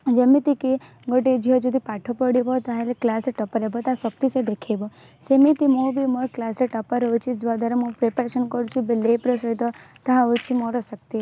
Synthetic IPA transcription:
d͡ʒemit̪iki | ɡoʈed͡ʒiɦɔd͡ʒod̪ipaʈʰopəɽibot̪ãeliklasɾʈəpəɾebɔt̪ãsək̚t̪ised̪ekʰebo | semit̪imobimoklasɾeʈəpəɾɔt͡ʃʰid͡ʒʋad̪aɾamũpɾepəɾeʃənkɔɾũt͡ʃʰubelepɾəsɔjt̪ɔt̪ãʋut͡ʃʰimɔɾɔsək̚t̪i

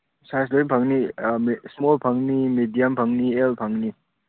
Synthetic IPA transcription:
sasdojnpʰaŋnismolpʰaŋnimedijampʰaŋnielpʰaŋni

